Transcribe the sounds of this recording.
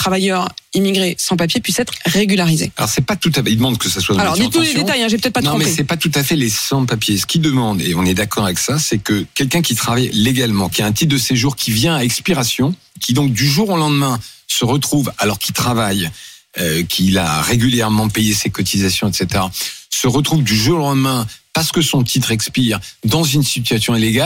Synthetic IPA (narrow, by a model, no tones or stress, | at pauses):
t̪χavajœʁimiɡʁesɑ̃papjepɥisɛt̪χʁeɡʲylaʁizḛalɔ̰ʁsɛpat̪ut̪aid̪əmɑ̃d̪kəsaswaalɔʁd̪inuled̪et̪ajɛ̃ʒept̪ɛt̪̚panɔ̃mɛisɛpat̪ut̪afɛlesɑ̃papjesə̥kʲid̪əmɑ̃d̪ḛɔ̃nɛd̪akɔʁavɛksasɛkəkʲɛlkʲɛ̃kʲit̪χavajleɡalmɑ̃kʲiaɛ̃t̪it̚d̪əseʒuʁkʲivjɛ̃aɛkspiʁasjɔ̃ | kʲid̪ɔ̃k̚d̪yʒuʁolɑ̃d̪mɛ̃səʁət̪χuvalɔʁkʲit̪χavaj | økʲʰila̰ʁeɡʲyljɛʁmɑ̃pejesekɔt̪ʰizasjɔ̃ɛt̪set̪eʁasəʁət̪χuvd̪yʒuʁolɑ̃d̪mɛ̃paʁsə̥kəsɔ̃t̪ʰit̪χɛkspiʁd̪ɑ̃zynsit̪ɥasjɔ̃ileɡal